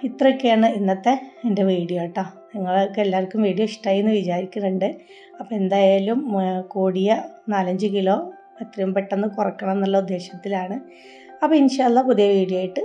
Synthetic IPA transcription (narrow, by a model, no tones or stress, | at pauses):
it̪rɐokːejaːɳɨinːɐt̪ːe̞ende̞ʋiːɽijoːʈːa | nɐŋːɐɭkːeelːaːɐrkʲːumʋiːɽijoiʂʈaːjenːɨʋit͡ɕaːɾikʲːunːɐɳɖɨ | ɐpːoe̞nd̪aːjaːlumkuːɽijɐnaːlɐɲd͡ʑɨkilo̞ː | et̪ːrɐjumpeʈːenːɨkurɐkːɐɳɐmenːɐlːɐud̪ːe̞ːɕjɐt̪ːilaːɳɨ | ɐpːɐinɕɐjɐlːɐpuðijɐʋiːɽijoːjiʈːɨ